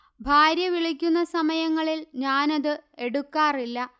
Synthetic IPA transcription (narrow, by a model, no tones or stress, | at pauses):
bʱaːɾjɐʋiɭikʲːunːɐsɐmɐjɐŋːɐɭilɲaːnɐðɨe̞ɽukːaːrilːɐ